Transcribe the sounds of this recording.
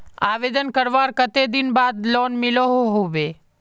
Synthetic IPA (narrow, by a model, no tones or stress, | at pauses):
a̰ʋed̪ənkəɾʋaɾkət̪ed̪inbad̪lonmiloɦoɦoʋe